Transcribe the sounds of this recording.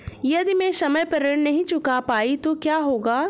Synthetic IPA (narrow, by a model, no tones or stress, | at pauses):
jɐd̪imẽsɐməjpɐɾəɽnɐɦĩt͡ʃʊkapaːit̪okjaːɦoːɡaː